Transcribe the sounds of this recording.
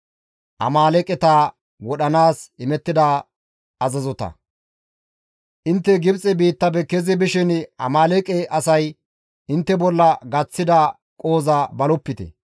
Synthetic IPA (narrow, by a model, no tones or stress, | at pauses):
ʔɐ̰maːlɛkʼɛt̪aː | wɔɗɐnaːsɪmɛt̪ːɪd̪ɐ | ɐzɐzɔt̪ɐ̰ | ʔɪnt̪ːɛɡɪbt͡sʼɛbiːt̪ːɐbɛkɛzɪbɪʃɪnɐ̰maːlɛkʼɛʔɐsɐj | ɪnt̪ːɛbɔlːɐɡɐt͡sːɪd̪ɐ | kʼo̞ːzɐbɐlɔpːɪt̪ɛ̰